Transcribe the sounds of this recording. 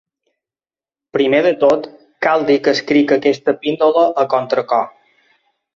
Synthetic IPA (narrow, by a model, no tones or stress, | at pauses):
pɾimeðət̪ot̪ | kalˠd̪ikəskɾikəkɛst̪əpind̪oləʔəkɔnt̪ɾəkɔ